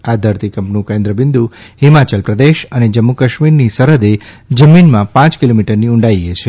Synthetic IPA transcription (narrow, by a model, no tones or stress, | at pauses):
ad̪ʱəɾt̪ikəmpnũkẽnd̪ɾəbind̪ʱuhimat͡ʃəlpɾəd̪eʃəned͡ʒəmːukəʃmiɾnisəɾəd̪e | d͡ʒəminmãpãt͡ʃkilomiʈəɾniuɳɖajet͡ʃʰe